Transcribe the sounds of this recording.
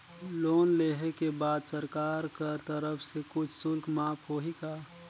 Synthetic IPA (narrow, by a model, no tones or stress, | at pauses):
loːnleːɦekebaːd̪səɾkaːɾkəɾt̪əɾəfʰsekʊt͡ʃʰsʊlkmãːpɦoːɦikaː